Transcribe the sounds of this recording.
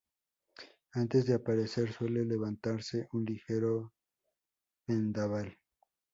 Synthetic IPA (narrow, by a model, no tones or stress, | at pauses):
ant̪e̞zðe̞apaɾese̞ɾswe̞le̞le̞βant̪aɾse̞ʔunlixe̞ɾo̞ | mend̪aβal